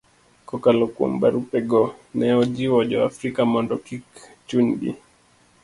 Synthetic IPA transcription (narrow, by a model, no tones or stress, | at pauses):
kɔkalɔkɔ̰mbaɾupɛɡɔnɛɔd͡ʒiwɔʄɔafɾikamɔndɔkik | t͡ʃunbḭ